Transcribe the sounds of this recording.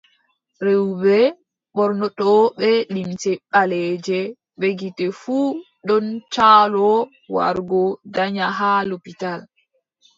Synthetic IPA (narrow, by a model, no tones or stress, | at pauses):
ɾewbɛ | ɓɔɾnɔɗɔɓɛlimtɛɓalɛːd͡ʒɛ | ɓeɡitɛfuː | ɗɔnt͡ʃaːlɔ | wa̰ɾɡɔdaɲaɦalopital